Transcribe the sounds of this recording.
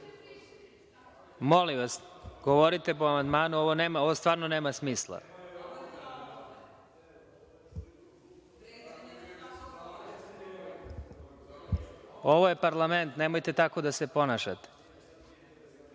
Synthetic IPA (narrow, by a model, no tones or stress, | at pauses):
molimʋasɡ̥oʋoɾit̪e̞poamand̪maːnuo̞ʋoneːmao̞ʋost̪ʋaːɾnone̞ːmasmiːslˠa̰ | o̞ʋoje̞paɾlˠame̞nt̪ne̞mojt̪e̞t̪ako̞d̪ase̞po̞naʃat̪e̥